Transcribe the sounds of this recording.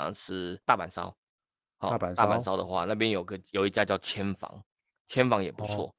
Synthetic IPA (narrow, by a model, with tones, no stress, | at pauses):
ɑ̰˨˩ŋt͡sʰɻ̩˥t̪a˥˩pa˨˩nsɑ̰˥ʊ | hɔ̰˨˩˨t̪a˥˧pa̰˨nsɑ˥ʊd̪ə˨xwa̰˥˧na˥˩p̬jɛ˦njo˨˩ʊi˦ɡə˧jo˨ʊi˧˥t͡ɕja˥˧t͡ɕjɑ˥˧ʊt͡ɕʰjɛ˦˥nfɑ̰˧˥ŋ | t͡ɕʰjɛ˥˦nfɑ˧˥ŋjɛ˨˩pu˧˦t͡sʰwɔ̰˥˩